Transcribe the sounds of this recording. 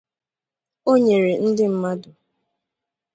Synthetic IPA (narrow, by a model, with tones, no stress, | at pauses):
o˦ɲe˨ɾe˨n̩˦dɪ˦m̩˦ma˦dʊ˨